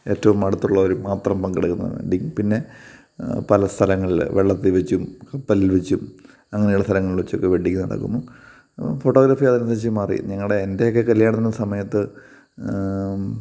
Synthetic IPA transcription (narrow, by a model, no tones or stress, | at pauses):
e̞ːtːɐʋumɐɽut̪ːuɭːɐoɾumaːt̪rɐmpɐŋɡeɽɨkːunːɐ̰ðɨ̰ɳɖikʲːumpinːe̞ | pɐlɐst̪ʰɐlɐŋːɐɭilʋeɭːɐt̪ːiʋet͡ɕːumkɐpːɐlilʋet͡ɕːum | ɐŋːɐnejuɽɐst̪ʰɐlɐŋːɐɭiɭʋet͡ɕːo̞kːe̞ʋeʈːikʲːunɐɽɐ̰kːṵnːo | fo̞ʈːoɣɾaːfijaðinɐsɐɕimaːrḭɲɐŋːɐɭɽeːnde̞jokːekɐljaːɳɐinːɐsɐmɐjɐt̪ːɨ